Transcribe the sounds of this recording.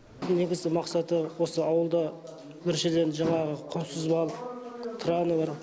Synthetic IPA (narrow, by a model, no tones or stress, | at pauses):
ne̞ɡʲɪzɡʲɪmɑqsɑt̪əwo̞səɑwəlˠd̪ɑ | wɵɾʃelenʒɑɴɑʁəqʰʊnsəzbɑlˠt̪ʰɾɑnəbɑɾ